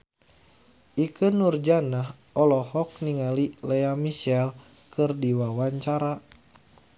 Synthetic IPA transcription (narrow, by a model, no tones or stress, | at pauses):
ʔikɨnurd͡ʒanah | ɔlɔhɔk̚niŋalilɛamiʃɛl | kʰɨrdiwawaɲt͡ʃaɾa